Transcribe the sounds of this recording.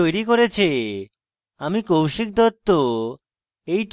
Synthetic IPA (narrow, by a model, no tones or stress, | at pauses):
ojɾikoɾet͡ɕʰi | amikowʃik̚d̪ʱɔt̪ːo | ejʈ